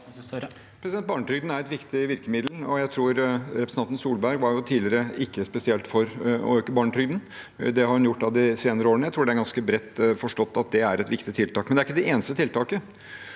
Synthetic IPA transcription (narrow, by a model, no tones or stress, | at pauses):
pʰɾɛsɪd̪ɛnt̪̚bɑːɳəʈɾʏɡd̪n̩æɾɛt̪ʋɪkt̪ɪʋɪɾkəmɪd̪l̩ɔjæɪt̪ʰɾuːɾɾɛpɾsnʰɑnn̩suːlbæɾɡʋɑɾjʊt̪ʰiːdlɪɾəɪkːəspɛsɪɛlt̪fɔɾɔ̰øːkːəbɑːɳʈɾʏɡd̪n̩ | d̪ɛhɑɾhʉnjʊʈːɑd̪ɪseːnəɾəoːɾəɳəjæɪt̪ʰɾuːɖɛæɾɡɑnskəbɾɛt̪ːfɔʂʈɔt̪ːɑt̪̚d̪ɛæɾɛt̪ʋɪkt̪ɪt̪ʰɪlt̪ɑːkmɛnd̪ɛæɾɪkːəd̪ɛʔeːnəst̪ət̪ʰɪlt̪ʰɑːkə